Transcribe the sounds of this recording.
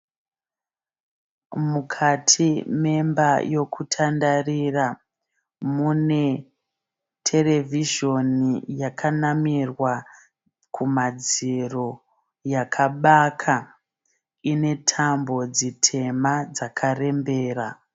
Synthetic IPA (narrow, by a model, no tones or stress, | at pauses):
mukʰatʰime̞mbajo̞kʰutʰandarira | mune̞ | tʰe̞le̞vʱiʒo̞nijakʰanamirwa | kʰumad͡ziro̞ | jakʰaɓakʰa | ine̞tʰambo̞d͡zitʰe̞mad͡zakʰare̞mbe̞ːra